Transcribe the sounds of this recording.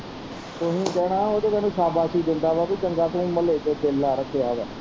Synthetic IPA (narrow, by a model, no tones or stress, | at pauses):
t̪ʊɦĩːkɛːɽãːoːt̪eːmɛ̃ːnũːsaːbaːsiːd̪ɪnd̪aːʋaːbiːt͡ʃəŋɡaːt̪oːĩːməleːt͡ʃoːt̪ʰeːlːaːɾəkʰːeːaːʋaː